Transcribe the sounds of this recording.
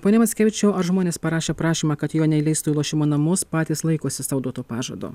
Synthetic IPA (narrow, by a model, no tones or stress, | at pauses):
poːnʲɛmɐt̪sʲkʲɛːʋʲɪt͡ʃʲɛʊɐɾʒmoːnʲeːspɐɾɑːʃʲeːpɾɑːʃʲiːmɑːkɐt̪joːnʲɛɪlʲɛɪst̪uːilˠuɔʃʲɪmoːnɐmʊspɑːt̪ʲiːslˠɐɪkoːsʲɪsɐʊd̪oɔt̪oːpɑːʒɐ̰d̪o̰ː